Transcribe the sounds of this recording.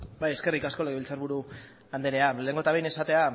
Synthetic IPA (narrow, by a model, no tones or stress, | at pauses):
bajeske̞rikasko̞leɣilt͡saɾβuɾu | and̪eɾeale̞ːŋɡo̞t̪aβejnesat̪e̞a